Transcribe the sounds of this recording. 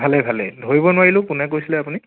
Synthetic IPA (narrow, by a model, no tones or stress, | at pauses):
bʱalɛbʱalɛ̰dʱoɹibɔnʊwaɹilʊ̃kʊnɛkojsilɛapuni